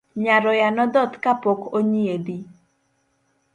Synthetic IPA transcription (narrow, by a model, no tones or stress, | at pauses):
ɲaɾɔjanɔd̪ɔt̪kapɔkoɲied̪i